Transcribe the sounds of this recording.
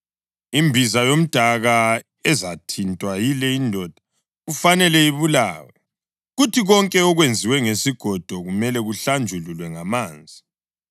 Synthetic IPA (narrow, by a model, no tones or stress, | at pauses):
imbʱizajom̩d̥ʱaɣa | ɛzatʰintʼwajilɛindʱɔd̥ʱḁ | ɣufanɛlɛiβula̰ːwɛ | ɣutʰiɣɔŋkʼɛɔɣwend͡zʱiwɛŋesiɡ̥ʱɔd̥ʱɔɣumɛlɛɣuɬand͡ʒʱululwɛŋamaːnd͡zʱi